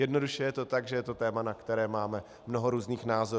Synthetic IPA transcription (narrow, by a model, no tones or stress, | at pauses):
jɛdno̞duʃɛjɛt̪o̞t̪aɡʒɛjɛt̪o̞t̪ɛːmanakt̪ɛɾɛːmaːmɛ | mnoɦoɾuːzniːxnaːzo